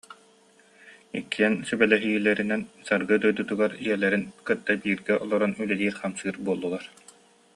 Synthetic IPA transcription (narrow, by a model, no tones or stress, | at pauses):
ḭkːiɛnsybɛlɛɦiːilɛɾinɛnsaɾɡɯd̪ujd̪ut̪uɡaɾijɛlɛɾinkɯt̪ːabiːɾɡɛʔɔlˠɔɾɔnylɛliːɾχamsɯːɾbuɔlˠːulˠaɾ